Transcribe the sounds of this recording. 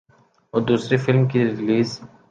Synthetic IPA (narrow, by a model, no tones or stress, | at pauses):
oːd̪uːsɾefɪlmkiɾɪliːz